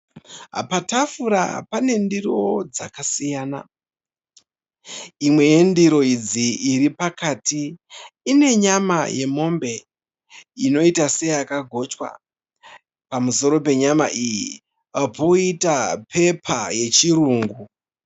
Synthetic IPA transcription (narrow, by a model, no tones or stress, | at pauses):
ɦa̰patafuɾa̰pane̞ndiro̞d͡za̰kasijaːna̰ | imwe̞endiɾo̞id͡ziiɾipakaːtiː | ne̞ɲama̰je̞̰mo̞mbe̞ | ino̞itase̞jakaɡʱo̞t͡ʃkwa̰ | pamuso̞ɾo̞pe̞ɲama̰ʔiji | apo̞itapʰe̞pʰaje̞t͡ʃiɾuːŋɡu